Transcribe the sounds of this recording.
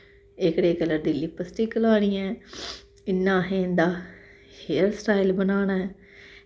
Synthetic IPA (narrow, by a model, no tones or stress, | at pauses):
ɪkɽeːkələɾd̪ɪlːiːpəsʈiːkəlaːɽ̃iːɛ̃ː | ɪnːãːɦẽːnd̪aː | heːəɾsʈaːɪlbənaːñaːɛː